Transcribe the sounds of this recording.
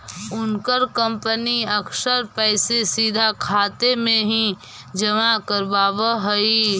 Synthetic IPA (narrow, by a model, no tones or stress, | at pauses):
ʊnkəɾkə̃mpəniɐkʃəɾpɛɪsesiːd̪ʱakʰaːt̪emẽɦĩ | d͡ʒɐmakəɾbaːbəɦɐi